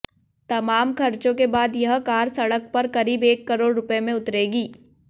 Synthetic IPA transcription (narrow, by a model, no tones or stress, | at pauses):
t̪ɐmaːmkʰɐɾt͡ʃõkebaːd̪jɐɦkaːɾsɐɽək̚pɐɾkɐɾiːbeːkːɐɾoːɽɾʊpemẽʊt̪ɾeːɡiː